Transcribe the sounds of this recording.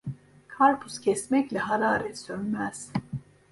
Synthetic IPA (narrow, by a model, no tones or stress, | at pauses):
kʰaɾpʰuscʰɛsmɛclɛɦaɾaːɾɛsønmæz̥